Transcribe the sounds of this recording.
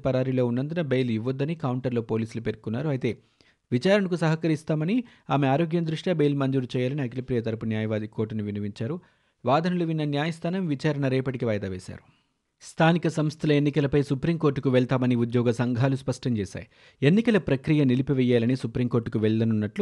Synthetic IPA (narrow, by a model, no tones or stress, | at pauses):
pɐɾaːɾilo̞ːunːɐnd̪unɐbejliʋːɐd̪ːɐnikɐwɳʈɐɾlo̞ːpo̞ːliːsulupeːɾkunːaːɾuɐjt̪e̞ː | ʋit͡ʃaːɾɐɳɐkusɐɦɐkɐɾist̪aːmɐniaːmeaːɾo̞ːɡjɐmnd̪ɾuʂʈjaːbejlmɐɲd͡ʒuːɾt͡ʃɛːjaːlɐniɐklɐpɾijɐt̪ɐɾɐpunjaːjɐʋaːd̪ikoɾʈɐnuʋinɐʋiɲt͡ʃaːɾu | ʋaːd̪ʱɐnɐluʋinːɐnjaːjɐst̪ʰaːnɐmʋit͡ʃaːɾɐɳɐɾɛːpɐʈikiʋaːjɐd̪aːʋɛːsa̰ːɾu̥ | st̪ʰaːnikɐsɐmst̪ʰɐlɐenːikɐlɐpɐjsupɾiːmko̞ːɾʈːukuʋɛɭt̪aːmɐniud̪jɔːɡɐsɐŋɡʱaːluspɐʂʈɐɲt͡ʃɛːsa̰ːji | e̞nːikɐlɐpɾɐkɾijɐnilipiʋɛjaːlɐnisupɾiːmko̞ːɾʈːukuʋɛɭd̪ɐnunːɐʈlu